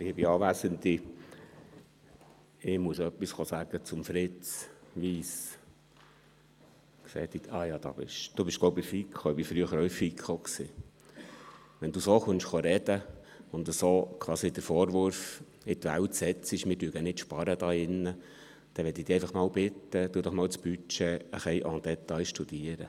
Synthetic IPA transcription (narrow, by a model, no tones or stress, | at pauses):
ɪbiɑːʋæːsənt̪i | ɪmuəsœpːisχosæɡ̥ət͡sʊmfɾɪt͡sʋiːs | ksɛ̰ːt̪itɑjɑːd̥̪ɑ̰b̥ɪʃd̥ubɪʃɡ̥loʊbɪfikʰχoɪb̥ifɾyəχəɾɔɪfikχoksi | ʋɛnd̥̪usoːχʊnʃχoɾɛd̥̪ə | ʊnt̪əsoːkʰʋɑːsid̪əɾfɔːɾʋʊɾf | ɪt̪ʋæ̰wtsɛt͡siʃmɪːɾdyːɡ̥ənɪt̪ʃpɑɾəd̪ɑːɪnːə | d̥ɛʋɛt̪id̥̪iːɛɪfɑχmɑːwbɪt̪ːəd̥̪uːd̪ɔχmɑːwt͡sb̥yt͡ʃɛəχɛjʔɔ̰nt̪dɛt̪ːɑɪʃtud̥̪iːəɾə